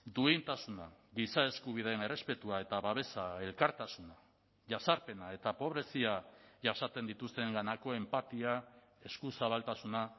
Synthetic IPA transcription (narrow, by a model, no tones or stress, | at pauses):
d̪uint̪asuna̰ɣisae̞skuβ̞ið̞eene̞re̞spe̞t̪uae̞t̪aβaβe̞sae̞lkaɾt̪asuna | ʝasaɾpe̞nae̞t̪apo̞βɾe̞siaʝasat͡se̞nd̪it̪ust̪e̞ŋɡanako̞e̞mpat̪ia | e̞skusaβalt̪asuna